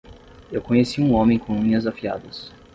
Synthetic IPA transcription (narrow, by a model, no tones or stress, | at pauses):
ewkõɲesiũõmẽj̃kõĩɲɐzafia̰d̪ɐs